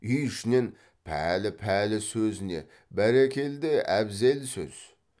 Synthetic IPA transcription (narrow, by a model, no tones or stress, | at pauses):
ʏjʃɪnen | pʰæ̰lɪpʰælɪsɵzɪne̞̰ | bæɾækʲʰe̞ld̪ɪæbze̞lsɵ̰z̥